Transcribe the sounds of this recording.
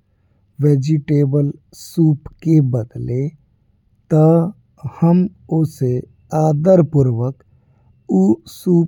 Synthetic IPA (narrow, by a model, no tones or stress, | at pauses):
ʋeːd͡ʒiʈeːbəl | suːpkebəd̪le | t̪ə | həm | ose | aːd̪əɾpʊɾʋək | usuː